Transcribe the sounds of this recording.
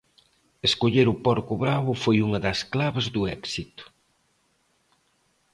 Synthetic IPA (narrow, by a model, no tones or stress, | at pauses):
eskoʎeɾʊpɔɾkʊβɾaβʊfojuŋɐðɐsklaβezðʊɛksit̪ʊ̥